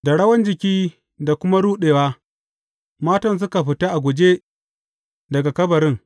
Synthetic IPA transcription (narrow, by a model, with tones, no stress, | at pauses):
da˨ɽɐ˦wɐ˦nd͡ʒɪ˨kʲiː˦ | da˨kʷʊ˦ma˦ɽuː˦ɗeː˨waː˦ | maː˦tɐ˨ns̬ʊ˦ka˨ɸɪ˨ta˦ʔa˨ɡʷʊ˨d͡ʒe˦ | dɐ˨ɡa˨kɐ˦bɐ˨ɾɪ˦ŋ